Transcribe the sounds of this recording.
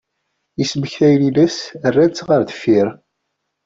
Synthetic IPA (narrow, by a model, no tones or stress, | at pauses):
isməçθæjlilæsərːæt͡sːʁəɾðə̥fiɾ